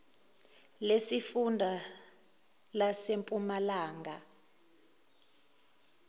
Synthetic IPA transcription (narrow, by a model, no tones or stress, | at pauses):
lesifundʱa | lasempʼumalaːŋɡʱa